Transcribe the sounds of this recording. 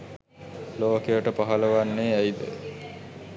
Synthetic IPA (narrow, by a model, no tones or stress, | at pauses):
loːkejəʈəpaɦələʋanːeːæjd̪ə̰